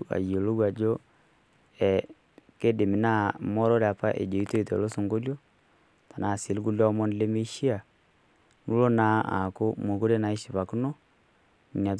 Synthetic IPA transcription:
a̰˨jo˨lo˦ɣwa˨d͡ʒo˦ | ɛ˨ | ke˦de˨mi˨na˦mɔ˦ɾɔ˦ɾa˨pa˦ʔḛ˨d͡ʒo˨i˦to˦i˨tɛ˨lo˦so˨ŋɡo˦ljo˦ | ta˨na˨si˨li˦ku˦ljɔ˦mo˦nle˦me˦ʃi˦a˨ | nu˦lo˦na˦ʔa̰˨ko˦mo˨ko˦ɾe˦na˨i˦ʃi˨βa˨ku˦no˦ | n˨n˨a˨t

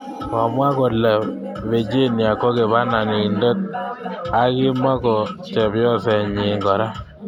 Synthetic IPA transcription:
ɔ˨mwa˦kɔ˨lɛ˨ | βe˨d͡ʒe˦nja˨kɔ˦ke˨βa˦na˨ni˨ndɛ˦t̪̚a˦kɪ˦mwa˦kɔ˨tɛ˨bjɔ˦sɛ˨ɲi˨ŋɡɔ˨ɾa˦

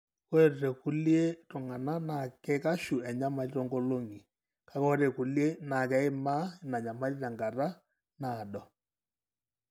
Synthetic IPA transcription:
ko˦e˨ɾɾe˨kʊ˦lje˦tʊ˨ŋa˨na˦na˨kɛ˦ka˦ʃu˨ɛ˨ɲa˦ma˨ɾi˦ɾɔ˦ŋɡo˦lo˦ŋi˨ | ka˦kɔ˦ɾe˨ku˨lje˦na˨kɛ˦ɪ˦ma˦ɪ˨na˨ɲa˨ma˦ɾi˦ɾa˨ŋɡa˨ɾa˦ | na˨ɗɔ˨

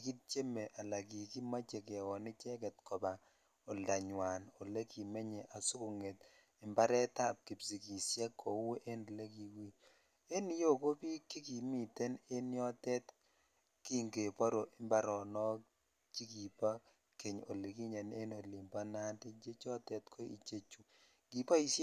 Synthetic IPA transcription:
i˨ki˦t̚t͡ʃe˦me˨ʔa˨la˨ki˨ki˦ma˦t͡ʃe˨kɛ˨wɔ˨nɪ˦t͡ʃɛ˦k̬ɛ˨t̚kɔ˨ba˨ | o˨lda˨ɲwa˨no˨le˦ki˨me˦ɲe˨ʔa˨sʊ˦ko˨ŋe˨t | ɪ˨mba˦ɾɛ˦ta˦˨p̚ki˨bsi˨ki˨sjɛ˦kːo˨˦we˦ʔe˦n˨le˦ki˨wi˦ | e˦ni˦jo˦ko˦pi˦ki˦ki˨mi˨te˦ne˦njɔ˦tɛ˦t | ki˦ŋɡe˨pa˦ɾo˨ʔɪ˨˦mba˦ɾɔ˨nɔ˦ | ki˦ki˨pa˦ | ke˨ɲo̰˨le˨ki˦ɲe˨ne˦no˨li˨mba˦na˦de˦d͡ʒe˦t͡ʃɔ˦tɛ˦tkʰo˦i˨t͡ʃe˦t͡ʃu˨ | ɡ̥i˨pa˦i˦˨s

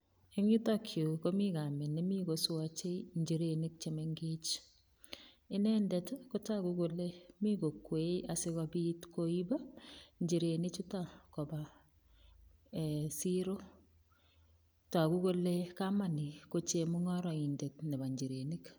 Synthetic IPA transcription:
e˦ŋi˦takʰjo˨ko˦mika˨mɛ˨nːe˦mi˦koswat͡ʃe˦iɲd͡ʒiɾeni˦k̚t͡ʃemeŋɡet͡ʃ | ɪ˦nɛndɛtko˦takuko˨lemi˦ko˨kːwe˦a˨sɪ˦ɣɔbitkoiba˦ɲd͡ʒi˨ɾe˨nɪ˦t͡ʃu˦takɔ˨ba | siɾo˦ | ta˨ku˦ko˦lekamani˨ko˦t͡ʃemuŋɔ˦ɾɔ˨indetnɛ˨ba˨ɲd͡ʒi˨ɾe˨nik

